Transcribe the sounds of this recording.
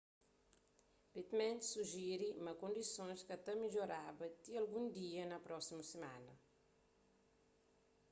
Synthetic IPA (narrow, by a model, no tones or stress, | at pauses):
pet̪mẽnt̪suʒiɾimɐkõnd̪isõskɐt̪ɐmiʎoɾabɐt̪iɐlɡũnd̪iɐnɐpɾɔsimɐsema̰nɐ